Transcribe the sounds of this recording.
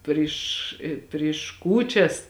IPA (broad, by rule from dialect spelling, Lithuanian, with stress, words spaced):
ˈpʲrʲɪʃ ɪ pʲrʲɪʃ ˈkuːt͡ʃʲɛs